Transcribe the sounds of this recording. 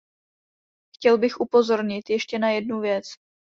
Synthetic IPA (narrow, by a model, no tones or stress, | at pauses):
xcɛlbɪxʔupo̞zo̞ɾɲɪt̪jɛʃcɛnajɛdnuvjɛt͡s